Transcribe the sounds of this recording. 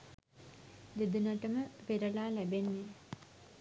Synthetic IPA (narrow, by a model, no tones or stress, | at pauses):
d̪ed̪unɐʈəməʋeɾɐlaːlæbenːe